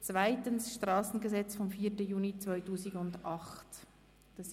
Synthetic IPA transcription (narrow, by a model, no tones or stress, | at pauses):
t͡svaɪtənsʃtʁɑːsn̩ɡəzɛt͡sfɔmfiːtəjuːnit͡svɔʏtuːsiɡʊndɑχt | d̥ɑs